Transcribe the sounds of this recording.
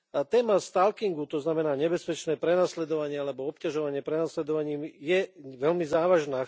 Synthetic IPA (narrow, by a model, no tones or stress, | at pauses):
t̪ɛːmast̪alkiŋɡut̪ɔznamɛnaːɲɛbɛspɛt͡ʃnɛːpɾɛnaslɛd̪ɔʋaɲɪɛalɛbɔɔpcaʒɔʋaɲɪɛpɾɛnaslɛd̪ɔʋaɲiːmjɛʋɛlmizaːʋaʒnaː